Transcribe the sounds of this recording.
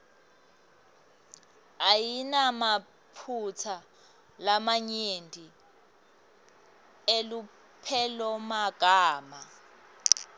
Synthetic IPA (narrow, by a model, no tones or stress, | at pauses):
ajinama | pʰut͡sʰa | lamaɲendʱi | elu | pʰɛlɔmaɡ̥ʱaːma